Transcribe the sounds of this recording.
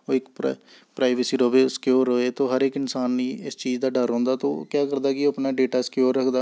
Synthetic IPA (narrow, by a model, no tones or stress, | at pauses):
oːɪk | pɾaːɪʋesiːɾoːʋeːsə̥kjoːɾːoːeːt̪õːɦəɾekɪnsaːnːiːɪst͡ʃiːd͡ʒd̪aːɖəɾɦɔ̃ːnd̪aːt̪õ̰ːkjaːkəɾd̪aːkɪoəpnaːɖeːʈaːskjoːɾːəkʰd̪aː